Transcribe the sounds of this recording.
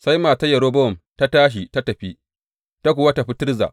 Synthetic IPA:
sa˦jmaː˨ta˦jɐ˨ɽoː˦bɔ˦ɔ˨mta˦taː˦ʃ̬i˨ta˦tɐ˨ɸi˦ | ta˦kʷʊ˨wa˦ta˨ɸɪ˦tɪ˦rza̰ː˨ʔ

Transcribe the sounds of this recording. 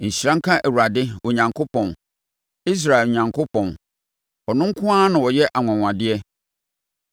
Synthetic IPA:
ɲ̩˨ɕi˨ɾã˦ŋ̩˦kʰã˦ʔɛ˨wu˨ɾa˨dɪ˦wɔ˨ɲã˨ŋkʰo˦pʰɔ̃˨n | i˦s̬ɾa˨ɛ˨lɲã˨ŋkʰʊ˦pʰɔ̃˨n | ɔ˨nʊ̃˦ŋ̩˦kʰʊ̃˦aː˦nʊ̃˨wɔ˨jɛ˦ʔa˨ŋʷ˨ã˨ŋʷ˨ã˨dɪ˦ɛ˦

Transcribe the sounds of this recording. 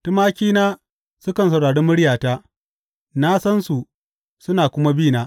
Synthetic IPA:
tʊ˦maː˦kʲiː˦naː˦ | sʊ˦kɐ˨ns̬ɐ˨wɽaː˨ɽeː˦mʊ˦ɽjaː˨taː˦ | naː˦sɐ˦nsu˨ | sʊ˦naː˨kʷʊ˦ma˦biː˦˨naː˦

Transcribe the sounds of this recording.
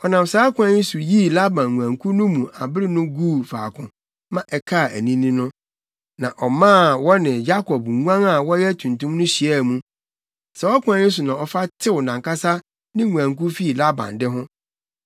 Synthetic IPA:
ɔ˨nã˨msaː˨˦kʰʷʊ˨˦ã˦ɪ˦su˨ji˦la˦bã˨nŋũ˨ã˨ŋkʰu˦nʊ̃˦mũ˨ʔa˨bɪ˦ɾɪ˦nʊ̃˦ɡuː˦˨fa̰ː˨kʰʊ̃˨ | mã˦˨ʔɛ˨kʰa˦˨æ˨nĩ˦nĩ˦nʊ̃˦ | nã˨ʔɔ˨mã˦˨wɔ˦nɪ̃˨ja˦kʰɔ˨bŋu˦ã˦ŋa˨wɔ˦jɛ˦tʰũ˨ntũ˦mnʊ̃˦ɕi˨ɛ˦˨mũ˦ | sɛ˨wɔ˦kʰʷʊ̃˦ã˦ɲɪ̃˦su˨nã˨ɔ˨fa˦tʰɪ˦wʊ˨nã˨ŋka˦sa˦ | nɪ̃˦ŋũ˨aæ̃˨ŋku˦fi˦˨la˦bã̰˨ndɪ˦ɦʊ̃˦

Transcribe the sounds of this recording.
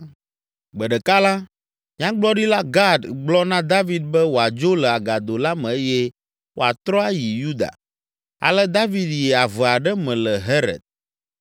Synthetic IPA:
ɡ͡bɛ˨ɖɛ˨ka˦la˦ | mĩ˦ã˦ɡ͡blɔ˦ɖi˦la˦ɡa˦d̪ɡ͡blɔ˦nã˦d̪a˦vi˨d̪̚bɛ˦wo˨a˨d͡ʒo˦lɛ˨a˨ɡa˨d̪o˨la˦mɛ̃˨e˦jɛ˦ | wʔo˦a̰˨t̪ɾɔ̃˦a˦ji˨ju˦d̪a̰˨ | a̰˨lɛ˦d̪a˦vi˦d̪jɛ˨a˨vɛ˨a˨ɖɛ˦mɛ̃˨lɛ˨ɦɛ˦ɾɛ̰˨d̪̚

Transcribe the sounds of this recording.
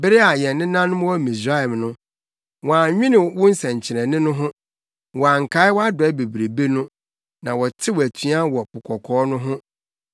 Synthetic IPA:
bɪ˦ɾɪ˦a˨jɛ̃˨nnɪ̃˦nã˦nʊ̃˦m˦wɔ˦mĩ˨s̬ɾa˦ɛ˨mnʊ̃˦ | wɔ̃˨a˨ɲᶣɪ̃˦nɪ̃˨wʊ̃˦n̩˦sɛ̃˨ɲ˨t͡ɕʰɪ˨ɾɛ̃˨nɪ̃˦nʊ̃˦ɦʊ̃˦ | wɔ̃˨a˨ŋ̩˨kʰa˨˦ɪ˦wɔ˦a˦dɔ˨ɛ˦be˨bɾe˨be˦nʊ̃˦ | nã˨wɔ˨tʰɪ˦wɔ˨æ˨tʰu˨˦a˦wɔ˨pʊ˨kʰɔ˨kʰɔː˨˦nʊ̃˦ɦʊ̃˦

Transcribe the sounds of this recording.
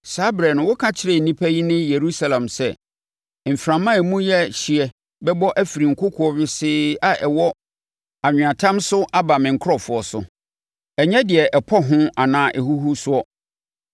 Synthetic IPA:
saː˨˦bɾɛ˨nʊ̃˨wʊ˦kʰã˦t͡ɕʰɪ˦ɾe˨n̩˨nĩ˦pʰæ˦ji˦nɪ̃˦je˨ɾu˦sa˦lã˨msɛ˦˨ | m̩˨fɾã˨mã˦ɛ˨mũ˦jɛ˦ɕɪ˨ɛ˨ | bɛ˦bɔ˦ʔæ˦fi˨ɾi˨ŋ̩˨kʰʊ˦kʰʊ˨ɔ˨ɥɪ˦sɪː˦a˨ʔɛ˨wɔ˦ | a˨ɲᶣɪ̃˨ã˨tʰã˦msʊ˦ʔa˦ba˨mɪ̃˨ŋ̩˨kʰʊ˦ɾɔ˨fʊ˨ɔ˨sʊ̰˨ | ɛ˨ɲɛ̃˦dɪ˨ɛ˨ʔɛ˨pʰɔ˦ɦʊ̃˦a˨nãː˨˦ʔɛ˨ɦu˦ɦu˦sʊ˦ɔ˦

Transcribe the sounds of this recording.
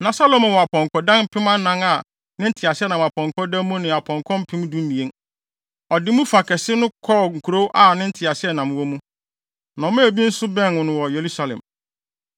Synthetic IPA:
nã˨sa˦lo˨mã˨wɔ˨a˨pʰɔ̃˨ŋkʰɔ˨dã˦n̩˦pʰɪ˦mã˦nã˦ŋa˨ | nɪ̃˦n̩˦tʰɪ˨a˨sɪ˦ɛ˦nã˨m˨a˨pʰɔ̃˨ŋ˨kʰɔ̃˦dã˦m˦mũ˦nɪ̃˨a˨pʰɔ̃˨ŋkʰɔ̃˦m̩˦pʰɪ̃˦m̃˦dũ˦m˦mĩ˨ẽ˦n | ɔ˨dɪ˦mũ˦fa˨kʰɛ˨sɪ˦nʊ̃˦kʰɔ˦˨ŋ̩˨kʰu˨ɾo˦wʔa˦˨nɪ̃˦n̩˦tʰɪ˨a˨sɪ˦ɛ˦˨nã˨m˨wɔ˦mũ˦ | nã˨ɔ˨˦mɛ̃˦æ˨bi˦n̩˦sʊ˦bɛ̃˦n˨wʊ̃˨nʊ̃˨wɔ˨je˨ɾu˦sa˨lɛ̰̃˨m

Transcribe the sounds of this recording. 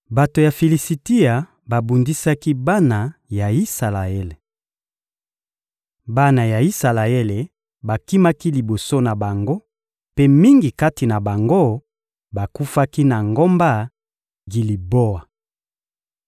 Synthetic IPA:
ba˨to˨ja˨fe˨li˨si˨ti˦a˨ | ba˨bu˨ndi˦sa˦ki˦ba˦na˨ja˨i˦sa˨la˨e˦le˨ | ba˦na˨ja˨i˦sa˨la˨e˦le˨ | ba˨ki˦ma˦ki˦li˨bo˨so˦na˨ba˨ŋɡo˦ | pe˦mi˦ŋɡi˨ka˦ti˨na˨ba˨ŋɡo˦ | ba˨ku˦fa˦ki˦na˨ŋɡo˦mba˦ | ɡi˨li˨bo˦a˨

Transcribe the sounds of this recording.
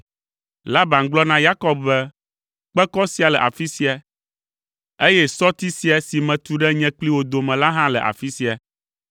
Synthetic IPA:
la˦ba˨ŋ̩˦ɡ͡blɔ˦nã˦ja˦kɔ˦b̚bɛ˦ | k͡pɛ˦kɔ˦si˦a˨lɛ˨ʔa˨fi˦si˦a˨ | e˦jɛ˦sɔ˦t̪i˦si˦a˨si˨mɛ̃˨t̪u˦ɖɛ˦ɲɛ̃˨k͡pli˦wo˨d̪o˨mɛ̃˨la˦ɦã˦lɛ̰˨ʔa̰˨fi˦si˦a˨

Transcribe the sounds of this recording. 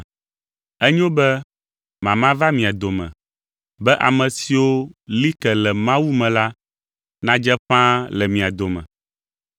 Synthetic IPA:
ɛ˦ɲ˦o˦bɛ˦ | mã˨mã˦va˦mĩ˨a˨d̪o˨mɛ̰̃˨ | bɛ˦ʔa̰˨mɛ̃˨si˨wo˦li˦kɛ˨lɛ˨mã˦wu˦mɛ̃˨la˦ | nã˦d͡ʒɛ˦ɸã˦lɛ˨mĩ˨a˨d̪o˨mɛ̰̃˨

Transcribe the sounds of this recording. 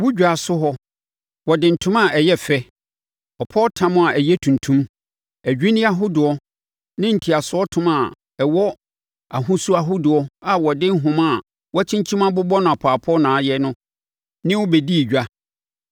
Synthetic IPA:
wʊ˦d͡ʑᶣa˨sʊ˦ɦɔ˦ | wɔ˨dɪ̃˨n̩˨tʰʊ̃˦mã˦˨ɛ˨jɛ˦fɛ˦ | ɔ˨pʰɔ˦tʰã˦mʊ̃˦˨a˨ʔæ˨jɛ˦tʰũ˨ntʰũ˦m | æ˨d͡ʑᶣi˦nɪ̃˦a˦ɦʊ˦dʊ˨ɔ˦ | nɪ̃˦n̩˨tʰi˨a˨sʊ˦ɔ˦tʰʊ̃˦ma˨ | ɛ˨wɔ˦ | a˨ɦʊ̃˦su˦a˨ɦʊ˦dʊ˨ɔ˦a˨wɔ˨dɪ˦ɦʊ̃˨ma˦˨ | wɔ˦t͡ɕʰĩ˦ɲt͡ɕʰĩ˦mã˦bʊ˦bɔ˦nʊ̃˨a˨pʰaː˨pʰɔ˦nãː˨˦jɛ˦nʊ̃˦ | nɪ̃˦wʊ˦bɛ˨di˦˨d͡ʑᶣa˦

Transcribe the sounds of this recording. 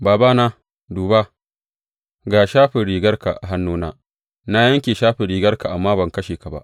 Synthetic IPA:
baː˨baː˦naː˦ | duː˨ba˦ | ɡa˨ʃaː˦ɸɪ˨ɽiː˨ɡɐ˦rka̰˨ʔa̰˨ɦa˦nːuː˦naː˦ | na˦jɐ˦ŋkʲeː˨ʃaː˦ɸɪ˨ɾiː˨ɡɐ˦rka˨ʔa˨mːaː˦bɐ˨ŋkɐ˦ʃeː˨ka˨ba̰˦ʔ

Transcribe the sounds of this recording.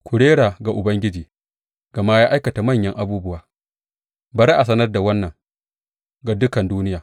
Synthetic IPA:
kʷʰʊ˨ɽeː˦ɽaː˨ɡa˨ʔʊ˨bɐ˦ŋɡʲɪ˦d͡ʒiː˨ | ɡ̥ɐ˨maː˦jaː˦ʔa˦jkɐ˨ta˨mɐ˦˨ɲjɐ˦ŋʔa˦buː˦bʊ˦waː˨ | bɐ˦ɾi˦ʔa˨s̬ɐ˦nɐ˦rda˨wɐ˦nːɐ˨ŋ | ɡa˨dʊ˦kɐ˨nduː˦nɪ˦jaː˨

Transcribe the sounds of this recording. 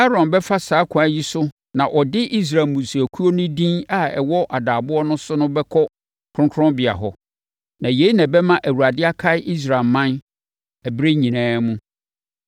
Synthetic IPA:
a˦ɾɔ̃˨nbɛ˦fa˦saː˨˦kʷʰʊ̃˨æ˨˦ji˦sʊ˦ | nã˨ʔɔ˨dɪ˦ʔi˦s̬ɾa˨mũ˨su˨æ˨kʰu˦o˦nʊ̃˦dĩ˦na˦ɛ̰˨wɔ˦ʔa˨daː˨bʊ˦ɔ˦nʊ̃˦sʊ˦nʊ̃˦bɛ˦kʰɔ˦ | kʰɾʊ̃˦ŋkʰɾɔ̃˦mbɪ˨a̰˨ɦɔ˨ | nã˨je˨˦i˦nã˨bɛ˦mã˦ʔæ˨wu˨ɾa˨dɪ˦a˦kʰa˦ɪ˦ʔi˦s̬ɾa˨mã˦n | æ˨bɾe˦ɲĩ˨nãː˦mũ˦

